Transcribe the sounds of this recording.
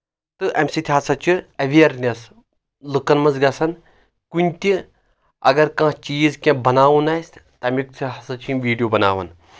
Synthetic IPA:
t̪ɨʔɐmsit̪ʰʲiɦɐsɐt͡ʃʰiɐʋiɐɾnʲeɐs | lɨkɐnmɐzɡɐsɐn | kunʲt̪ʲi | ɐ̰ɡɐɾkãːst͡ʃiːzkʲẽbɐnaːʋunaːjsʲt̪ɐmʲikt͡sʰiɦɐsɐt͡ʃʰiʋiːɖijoːbɐna̰ːʋɐn

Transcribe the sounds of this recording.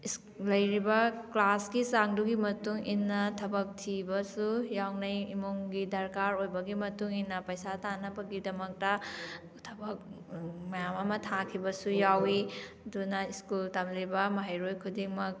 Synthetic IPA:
is | lɐjɾibɐklaskisaŋduɡimɐtuŋinːɐtʰɐbɐk̚tʰibɐsujawnɐjimuŋɡidɐɾkaɾojbɐɡimɐtuŋinːɐpɐjsatanɐbɐɡidɐmɐk̚tɐ | tʰɐbɐk̚ | mɐjamɐmɐtʰakʰibɐsujawi | dunɐiskultamlibɐmɐɦajɾojkʰudiŋmɐk̚

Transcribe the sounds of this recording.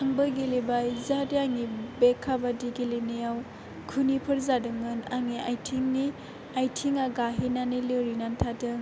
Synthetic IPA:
aŋbɯɡilibajzadijaŋibekʰːabadiɡilenejaw | kʰunipʰɯɾzadɯŋːɯnaŋiajtʰiŋni | ajtʰiŋaɡaɦinanilewɾinantʰadɯŋ

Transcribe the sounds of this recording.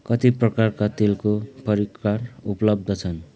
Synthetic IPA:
kʌt̪iprʌkarkat̪elkopʌɾikːarupʌlʌb̚d̪ʱʌt͡sʰʌn

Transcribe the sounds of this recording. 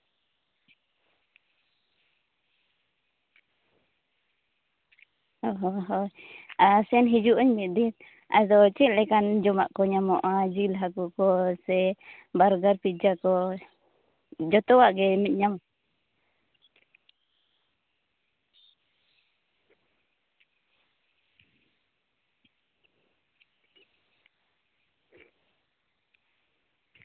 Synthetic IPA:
ɔɦɔɦɔasɛnɦid͡ʒuʔɔɲmit̪̚d̪it̪̚ | ʔa̰d̪ɔt͡ʃit̪̚lɛkand͡ʒɔmaʔkɔɲamɔʔad͡ʒilɦakukɔsɛ | baɾɡaɾpid͡ʒakɔ | d͡ʒɔt̪ɔwaʔɡɛmɛt̪̚ɲamɔ

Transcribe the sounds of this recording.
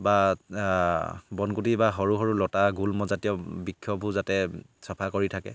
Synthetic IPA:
ba | bɔnkutibaɦɔɹuɦɔɹulɔtaɡulmɔzatjɔbikʰːjɔbʱuzatɛ | sɔpʰakoɹitʰakɛ̰

